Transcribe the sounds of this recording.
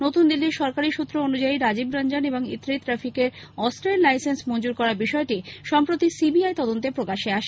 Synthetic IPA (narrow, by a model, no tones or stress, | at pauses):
not̪und̪ilːiɾʃɔɾkaɾiʃut̪ːɾoonud͡ʑaiɾad͡ʑibɾand͡ʑaneboŋḭt̪ːɾit̪ɾafikeɾ | ɔsʈɾenlajsensmond͡ʑuɾkɔɾaɾbiʃɔeʈiʃɔmpɾot̪isibiajt̪ɔd̪ont̪epɾokaʃeaʃʰe